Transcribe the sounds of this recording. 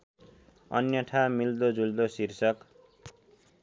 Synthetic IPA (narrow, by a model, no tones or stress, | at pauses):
ʌ̰njʌʈʰamild̪od͡zuld̪osirsʌk